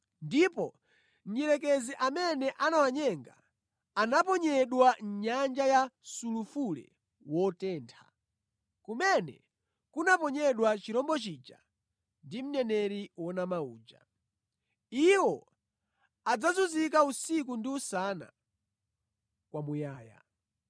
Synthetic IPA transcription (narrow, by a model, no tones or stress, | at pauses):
ndipɔ | m̩ɲiɾɛk̬ɛziʔamɛnɛʔanawaɲɛŋɡa̰ː | napɔɲɛɗwaɲand͡ʒajasulufulɛ̰ | wɔtɛːntʰa̰ | kumɛnɛ̰ | kunapɔɲɛɗwat͡ʃiɾɔmbɔt͡ʃid͡ʒa̰ | ndim̩nɛnɛɾiwɔnamauːd͡ʒa̰ | iwɔ | ad͡zazuzik̬ausik̬undiusana̰ | kwamujaːja̰